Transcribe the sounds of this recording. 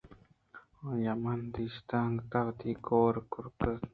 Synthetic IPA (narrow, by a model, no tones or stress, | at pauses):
ojamant̪iʃt̪aŋt̪aβt̪ikoːɾkʊɾkə